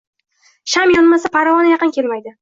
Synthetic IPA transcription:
ʃamjɒnmasapʰaɾavɒnɪjɑqɨnkʲe̞lmajd̪ɪ

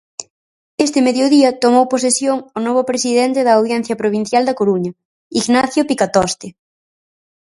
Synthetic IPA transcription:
est̪ɪmeðjoðiɐt̪omowposesjoŋonɔβ̞ʊpɾesiðɛnt̪eðɐːwðjɛn̟θjɐpɾoβ̞in̟θjald̪ɐkoɾuɲɐ | iɣnaθjopikat̪ɔst̪ɪ

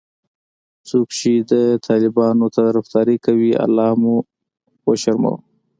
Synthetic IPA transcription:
t͡sokʃid̪ət̪ʰɑlɪbɑnot̪aɾaft̪ɑːɾikawia̰lːɑːmu | waʃaɾma̰w

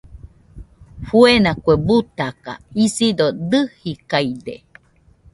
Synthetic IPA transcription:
fuenakuebut̪aka̰isid̪od̪ɨhikaid̪ḛ

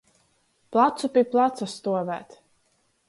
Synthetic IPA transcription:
plˠat̪supʲiplˠat̪sast̪uɔvæ̰ːt̪

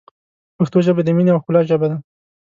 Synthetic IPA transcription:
paxt̪oʒəbed̪əmineawxʊlɑʒabad̪a

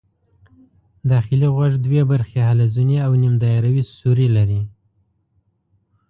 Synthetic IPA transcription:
d̪ɑxɪliɣwaʐd̪webaɾxehalazuniawnimd̪ɑaɾawisuɾilaɾi

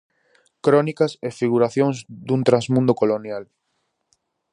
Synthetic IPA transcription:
kɾɔnikɐsefiɣ̞uɾaθjõŋzd̪unt̪ɾazmũnd̪okolonjal

